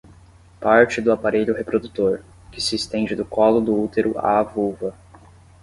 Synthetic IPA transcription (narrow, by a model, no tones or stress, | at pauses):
paɾt͡ʃɪd̪ʊapaɾeʎʊɦepɾod̪ut̪oɾ | kɪsɪːst̪ẽnd͡ʒɪd̪ʊkɔlʊd̪ʊut̪eɾʊa̰ːvuvɐ